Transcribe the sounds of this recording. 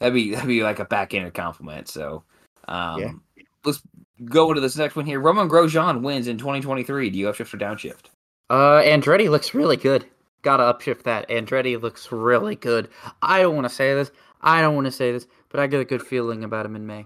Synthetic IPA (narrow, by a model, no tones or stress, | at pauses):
ðɨt̚b̥iðɨt̚b̥ilaɪkɨb̥ækɪ̃nə˞kʰã̰ʊ̃ɱfləmɨ̰̃ntso̰ʊ | ʔʌ̰̃jæ | ləts | ɡoʊɪ̃ntɨðɪsnɛkst̚wɪ̃nhiɹɹoʊ̃mə̃nɡɹoʊʒɑ̃nwɪ̃nzɨ̃ntʰw̥ɛ̃ɾ̃itʰw̥ɛ̃ɾ̃iθɹidɨjɨʌpʃɪft̚ə˞dãʊ̃nʃɪ̰ft̚ | ʌæ̃ndɹɛɾilʊksɹɪlˠiɡʊd̥̚ | ɡ̥ɑɾəʌpʃɪf̚ðɨtæ̃ndɹɛɾilʊksɹɪlˠiɡ̥ʊdʔaɪɾõʊ̃n̚wɑ̃nəseɪðɪs | ʔa̰ɪɾõʊ̃n̚wɑ̃nəseɪðɪs | b̥ʌɾaɪɡɛɾɨɡʊd̥filˠɪ̃ŋɨbaʊɾ̚hɨ̃mɨ̃nmeɪ